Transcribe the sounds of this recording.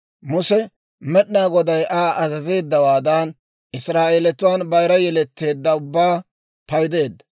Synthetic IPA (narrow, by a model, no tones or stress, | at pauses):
mʊsɛ | mɛɗnaːɡɔd̪ɐjʔaːʔɐzɐze̞ːd̪ːɐwaːd̪aːn | ʔɪsɾaːʔeːlɛt̪ʊwaːnbɐjɾɐjɛlɛt̪ːe̞ːd̪ːɐʊbːaː | pɐjd̪e̞ːd̪ːɐ